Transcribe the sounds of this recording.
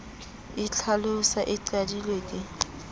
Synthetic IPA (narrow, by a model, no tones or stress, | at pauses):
ɪt͡ɬʰalʊsaʔɪǀadilwekʼɪ